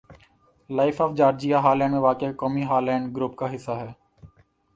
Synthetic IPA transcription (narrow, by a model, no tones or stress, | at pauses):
laːɪfʰɔːfd͡ʒaːɾd͡ʒijaːɦaːɾlɛ̃ːɳɖmẽːʋaːkekɔːmiːɦaːɾlɛ̃ːɳɖɡɾuːp̚kaːɦɪsːaːɦɛː